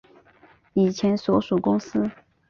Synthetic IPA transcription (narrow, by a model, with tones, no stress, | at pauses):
i˨˩t͡ɕʰjɛ˧˥nsɔ˧˥ʂu˨˩kʊ˥ŋsɹ̩˥